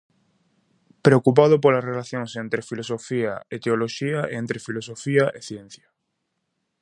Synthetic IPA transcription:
pɾeokup̬að̞ʊp̬olɐsrelaθjõŋsent̪ɾefilosofiɐ̰et̪eoloʃiɐʔent̪ɾefilos̬ofiɐʔeθjɛn̟θjɐ

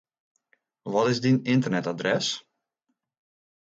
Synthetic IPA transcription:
ʋɔtɪzdinɪntərnɛtadrɛs

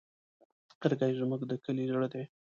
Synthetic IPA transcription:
qəɾɡajʒməɡd̪əkəliʒɽd̪e

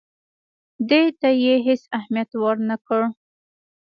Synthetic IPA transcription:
d̪et̪ajeɦɪsahmijat̪wɑɾnakəɽ

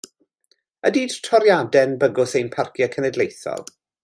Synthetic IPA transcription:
ədiːd̥tʰɔɾjadɛnbəɡʊsejnpʰarkʰjəkʰənɛdlejθɔ̰lˠ

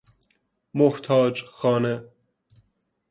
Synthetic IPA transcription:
mʊht̪ʰɑːd͡ʒxɑːnɛ

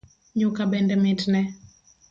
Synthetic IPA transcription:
ɲʊkabɛndɛmɪtnɛ

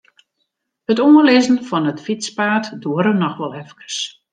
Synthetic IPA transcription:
hətoəlɪzən̩fɔnətfispaːtduəɾənɔxʋɔlˠɛfkə̥rs

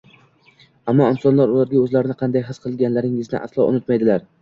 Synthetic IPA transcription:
amːɒɪnsɒnlaɾʊlaɾɡʲaɵzlaɾɪnɪqʰɑnd̪ajɦɨsqʰɨlˠɡʲanlaɾɪŋɪznɪ̰ʔa̰slˠɒ̰ʔʊ̰nʊt̪majd̪ɪlaɾ

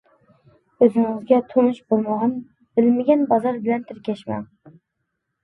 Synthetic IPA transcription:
øzɪŋɪzɡʲɛt̪ʰomɨʃbolˠmɑʁɑn | b̥ɪlmɪɡʲɛnbɑzɑɾbɪlɛnt̪ʰɪɾkʲɛʃmæ̰n

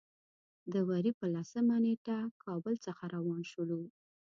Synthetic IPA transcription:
d̪əwaɾipəlasəmaneʈakʰɑbəlt͡səxaɾawɑnʃəlu

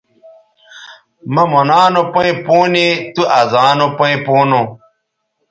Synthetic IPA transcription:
mamɔnãnũpõipunituʔazãnũpəipunu

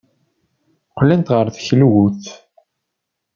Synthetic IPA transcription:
qlːænt̪ʁəɾθçlwuθ

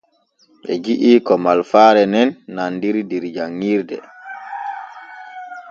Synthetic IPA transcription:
ɓɛ̰d͡ʒiʔiːkɔmalfaːɾɛnɛnːandiɾdiɾd͡ʒaŋːiːɾdɛ̰

